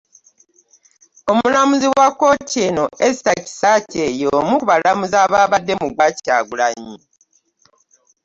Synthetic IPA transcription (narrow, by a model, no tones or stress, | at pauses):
o̞mulamuziwwakːo̞tʰeːnoʔezi̥taci̥sacejomuβalamuzaːβaːβadːe̞muɡwaca̰ːɡulaɲi